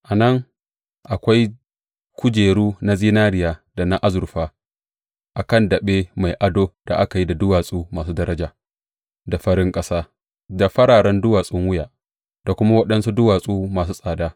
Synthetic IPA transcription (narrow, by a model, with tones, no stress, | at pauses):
ʔa˨nɐ˦ŋ | ʔa˨kʷa˦j | kʷʊ˦d͡ʒeː˨ɽuː˦na˦ziː˦naː˦ɾɪ˦jaː˨da˨na˦ʔa˦zʊ˨ɾɸaː˦ | ʔa˨kɐ˦˨ndɐ˨ɓeː˦ma˨jʔa˦doː˦d̥a̰˨ʔa˦ka˨ji˦da˨dʊ˦waː˨sʼuː˦maː˨s̬uː˦dɐ˦ɾɐ˦d͡ʒaː˨ | da˨ɸɐ˦ɾɪ˦ŋkʼɐ˦saː˦ | da˨ɸɐ˦ɽaː˨ɽɐ˦ndʊ˦waː˨sʼɪ˦ŋwʊ˦jaː˨ | d̥a˨kʷʊ˦ma˦wɐ˦ɗɐ˦nsu˦dʊ˦waː˨sʼuː˦maː˨s̬uː˦sʼaː˨daː˦